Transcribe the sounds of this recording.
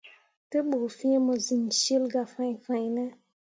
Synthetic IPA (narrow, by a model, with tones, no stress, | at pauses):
te˦ɓo˨fĩ˦e˦mɔ˨zi˨nʃi˦lɡa˨fã˨jfã˨jnɛ˦